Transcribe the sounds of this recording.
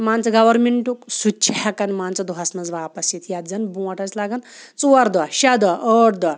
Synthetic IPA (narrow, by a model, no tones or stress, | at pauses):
maːnt͡sɐɡɐʋɐɾmeɳʈuksut͡ʃʰiɦɐkɐnmaːnt͡sɐd̪uɦɐsnɐzʋaːpɐsjit̪ʰjɐt̪d͡zɐnbũːɐʈʰɐt͡ʃʲlaɡɐnt͡suːɐɾd̪ɐʃɐd̪ɐʔəːʈʰd̪ɐ